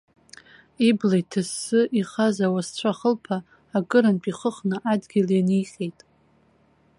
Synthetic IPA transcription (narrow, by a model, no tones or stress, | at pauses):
iblejtʰɨsːɨʔiχazawast͡ɕʷʰaχəlpʰaː | kʼɨɾanpʼiχəχnɨʔadɡʲɪlanijχʲʼejtʼ